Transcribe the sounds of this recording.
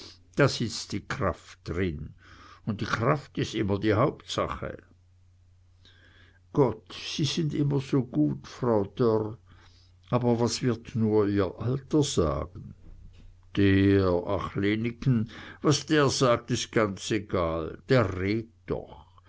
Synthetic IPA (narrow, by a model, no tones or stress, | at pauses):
d̥aːz̥ɪt͡sd̥iːkʁ̥aftd̥ʁɪnʊnt̚d̥iːkʁ̥aftɪstɪmɐdiːhaʊptsa̰χə̰ | ɡ̥ɔtsiːz̥ɪndʔɪmɐzoːɡ̥uːtfʁaʊd̥œʁ | ʔaːbɐvasv̥ɪɐtnuːɐiːɐʔaltɐz̥a̰ːɡn̩ | d̥eːa̰χleːnɪkənvasd̥eːɐzaːk̚tɪst̚ɡ̥ant͡seɡaːld̥eːɐʁeːt̚d̥ɔ̰χ